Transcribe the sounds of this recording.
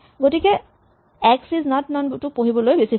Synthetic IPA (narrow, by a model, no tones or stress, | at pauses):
ɡotikɛ | ɛksiznatnɔntupoɦibɔlojbesi